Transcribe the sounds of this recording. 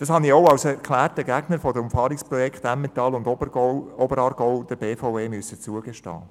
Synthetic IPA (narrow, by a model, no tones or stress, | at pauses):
d̥ɑshɑnioʊɑwsɛɾkχlæːrtəɡæɡ̥nəɾfɔdəʊmfɑːɾikspɾɔjɛkχt̪æmːet̪ɑlʊndɔɔbəɾɑːɾɡ̥ɔʊd̥əɾb̥eːfaʊveːmyəsət͡suəɡ̥eʃtɑ̰ː